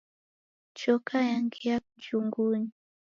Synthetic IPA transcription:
t͡ʃɔkʰajaŋɡiakud͡ʒuŋɡuɲi

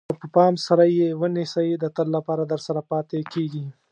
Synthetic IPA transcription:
əpəpɑmsaɾajewənɪsajid̪ət̪əlːapɑɾad̪əɾsaɾapɑt̪ekeɡi

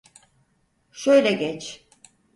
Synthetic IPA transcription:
ʃø̞jlʲɛɟɛt͡ʃ

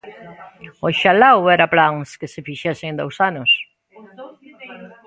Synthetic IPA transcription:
oʃalawɛɾaplaŋskesefiʃɛseŋd̪owsanos

